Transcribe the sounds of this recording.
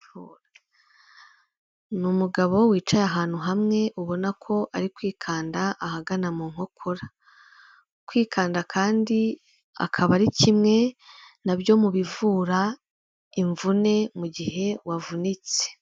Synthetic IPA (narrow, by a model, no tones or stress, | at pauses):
numuɡaβo̞wiːt͡ʃajaɦaːn̥huɦamŋe̞ʔuβo̞nakʰo̞ʔaɾikwiːkʰaːndaʔahaɡanamuːŋ̥ho̞kʰoɾa | kwiːkʰaːndakʰaːndi | a̰kʰaβaɾicimŋe̞naβjo̞muβivuːɾa | iɱvune̞muɟihe̞wavunit͡se̥